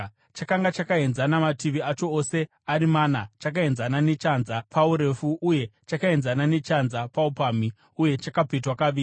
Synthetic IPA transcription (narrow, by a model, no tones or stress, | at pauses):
t͡ʃakaŋɡat͡ʃakae̞nzanamatiʋiat͡ʃo̞ose̞ | aɾimaːnat͡ʃak̬ae̞nzanane̞t͡ʃanzapauɾe̞fuʔːje̞t͡ʃakae̞nzanane̞t͡ʃanzapaupaːmi | uje̞t͡ʃakapetwakaʋiː